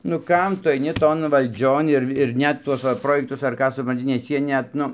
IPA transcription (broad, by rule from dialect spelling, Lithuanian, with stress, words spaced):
nʊ ˈkɐm ˈtʊ ɐɪˈnʲɪ ˈtoːn ʋɐlʲˈd͡ʒʲoːn ɪr ɪr ˈnʲɛt ˈtuɔs ʋɐ ˈproːjɛktʊs ɐr ˈkɑː sʊprɐnʲˈtʲɪ nʲɛs ˈjiɛ nʲɛt ˈnʊ